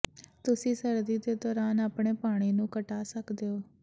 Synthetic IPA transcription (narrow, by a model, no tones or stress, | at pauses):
t̪ʊsĩːsəɾd̪iːd̪eːd̪ɔːɾaːnaːpɳeːpaːɽ̃iːnũːkəʈaːsəkd̪eːoː